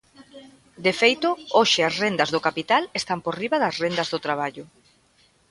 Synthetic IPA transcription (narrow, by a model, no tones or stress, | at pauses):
d̪efejt̪ʊoʃɪasrend̪ɐzðʊkapit̪alest̪amporiβaðɐsrend̪ɐzðʊt̪ɾaβ̞aʎʊ